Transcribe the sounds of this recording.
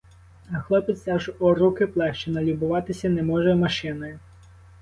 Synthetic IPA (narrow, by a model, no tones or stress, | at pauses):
ɐxlˠɔpet̪sʲɑʒɔrukɪplˠɛʃt͡ʃɪnɐlʲibʊʋɑt̪ɪsʲɐnɛmɔʒɛmɐʃɪnɔjʊ